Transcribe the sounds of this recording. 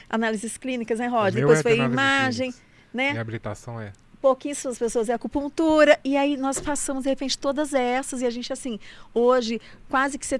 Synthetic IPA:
a̰nalizɪsklĩnikɐznɛɦɔd͡ʒɐd̪eojfojimaʒẽj̃ | nɛabilit̪a̰sɐ̃w̃ɛ̰ | powkĩɲɐsuɐspesoɐzɛɐkupũlt̪uɾɐɪainɔspasɐ̃mʊzd̪ehepẽnt͡ʃɪ̥t̪od̪ɐzɛsɐzɪaʒẽnt͡ʃɪasĩoʒɪ | kwazɪkɪ̥se

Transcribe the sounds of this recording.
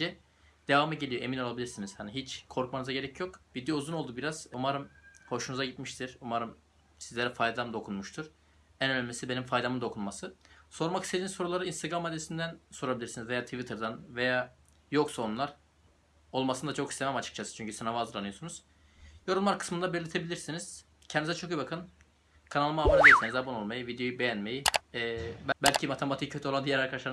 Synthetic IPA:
d͡ʒɛ | d̪̥e̞vamaɟe̞lʲijoe̞mino̞lˠabilʲiɾsiniz̥haniɦit͡ʃkʰo̞ɾkmanɯzaɟe̞ɾɛcʰjokbid̪iuzuno̞lˠd̪ubiɾaz̥umaɾɯmho̞ʃunuzaɟit̪miʃt̪ʰiɾumaɾɯm | sizlʲeɾɛfajd̪amd̪o̞kʰunmuʃt̪ʰuɾ̥ | ænønʲmesibe̞nimfajd̪amɯmd̪o̞kʰunmasɯso̞ɾmaki̥sed̪inizso̞ɾulˠaɾɯinst̪ʰeɡɾamːad̪ːesind̪ænso̞ɾabilʲiɾsinizve̞jaːt̪ʰivit̪ʰeɾd̪anve̞jaː | jo̞ksaonlˠaɾ | o̞lˠmasɯnd̪at͡ʃʰo̞kist̪ʰemæmat͡ʃʰɯ̥kt͡ʃʰasɯ̥t͡ʃʰyɲcʰysanavazɯɾlˠanɯjosunuz̥ | jo̞ɾulˠmaɾkʰɯ̥smɯnd̪abeɾlʲet̪ʰebilʲiɾsiniz̥ | cʰɛnd̪izɛt͡ʃʰo̞kɯjibakʰɯn | kʰanalˠmaːmand̪eiɾsenizabano̞lˠmajɯvid̪ejo̞jube̞jænme̞jiː | bbælʲcʰimat̪ʰemat̪ʰicʰøt̪ʰyoand̪ijɛɾaɾkʰaaʃaɾ

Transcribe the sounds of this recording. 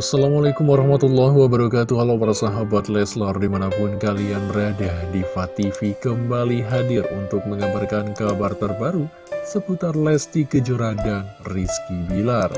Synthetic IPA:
asːalamalakumwaɾɑhmat̪ulːaɦwabəɾakat̪uɦalapaɾasaɦabat̪lɛslɔrdimanapʊnkalianradahdifat̪ifikəmbaliɦadɪrunt̪ʊk̚məŋabarkankabart̪ərbaɾu | səput̪arlɛst̪ikəd͡ʒuɾadanriskibilar

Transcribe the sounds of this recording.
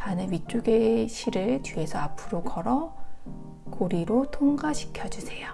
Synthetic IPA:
tanɯnɥit͡ɕ͈uɡe̞ɕʰiɾɯɭt͡ɕie̞sʰʌapʰɯɾokʌɾʌ | koɾiɾotʰoŋɡaɕʰi̥kʰjʌd͡ʑusʰe̞jo

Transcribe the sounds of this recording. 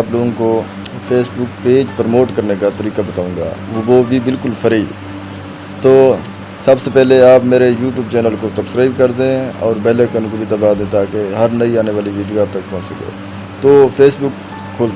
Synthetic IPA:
ploːɡõko | pʰeːsbʊkpeːd͡ʒpɾmoːʈkɐɾnekat̪ɐɾiːkabɐt̪aːũːɡa̰ːʋobʱibɪlkʊlpʰɐɾi | t̪oː | sɐbsepɛɦleaːpmeːɾejuːʈ̬juːbt͡ʃɛːnəlkosɐbskɾaːɪbkɐɾd̪ẽɔ̰ːɾbɛːlekənõkobʱit̪ɐbaːd̪ẽt̪aːkeɦɐɾnɐiaːneʋaːliʋiːɖijoaːb̚t̪ɐkpʊ̃ːnt͡ʃsɐkḛː | t̪oːpʰeːsbʊkʰː | oːlt̪

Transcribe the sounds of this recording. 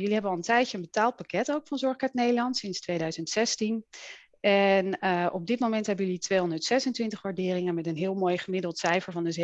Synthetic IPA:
jɵliɦɛbənɑlˠəntɛjtjəənbətaːlˠt̚pakɛtowkfɑnzɔɹχkaːɹtnejdəlɑntsɪnstʋejdœɥzəntsɛstin | ɛnʔɔb̚dɪtmowmɛntɦɛbənjəlitʋejɦɔndəɹtsɛsəntʋɪntəχʋaːɹdɪːrɪŋənmɛtənɦɪːlˠmojχəmɪdəlˠtsɛjfəɹvɑndəze

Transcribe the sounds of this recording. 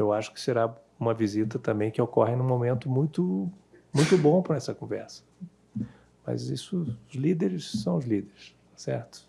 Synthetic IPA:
ewaʃʊ̥kɪ̥seɾa | ũmɐvizit̪ɐt̪ɐ̃mbẽj̃kɪokɔɦɪnũmomẽnt̪ʊmũj̃t̪ʊmũj̃t̪ʊbõpɾɐɛsɐkõvɛ̰ɾsɐ̥ | mɐ̰zisʊʊzlid̪eɾɪssɐ̃w̃ʊzlid̪eɾɪst̪ḁsɛɾt̪ʊ̥

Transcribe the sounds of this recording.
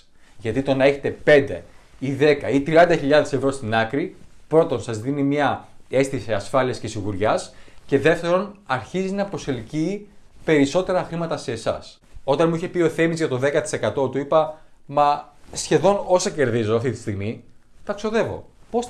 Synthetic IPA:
ʝɐt̪it̪o̞nɐe̞çe̞t̪e̞pe̞nd̪e̞̰iðe̞kɐit̪ɾiɐnd̪ɐçiʎɐðe̞sevɾo̞st̪inɐkɾipɾo̞t̪o̞nsɐzðinimɲɐe̞st̪iseɐsfɐliɐscesiɣuɾʝɐsce̞ðe̞ft̪e̞ɾo̞nɐɾçizinɐpɾo̞se̞lciːpe̞ɾiso̞t̪e̞ɾɐxɾimɐt̪ɐse̞ːsɐ̰s | o̞t̪ɐnmuiçe̞pio̞θe̞mizʝɐt̪o̞ðe̞kɐt̪i̥se̞kɐt̪o̞t̪uipɐmɐsçe̞ðo̞no̞sɐce̞ɾðizo̞ɐft̪it̪i̥st̪iɣmit̪ɐkso̞ðe̞vo̞̰pos

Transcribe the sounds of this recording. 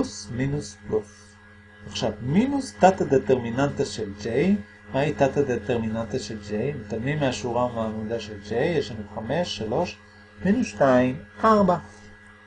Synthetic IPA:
usminusplus | eχʃavminust̪at̪ad̪et̪eʁminant̪aʃeld͡ʒej | mait̪at̪ad̪et̪eʁminant̪aʃeld͡ʒejmet̪animeaʃuʁamvaamud̪aʃeld͡ʒejeʃanuχameʃːalo̞ʃ | minusʃtaimʔaʁba

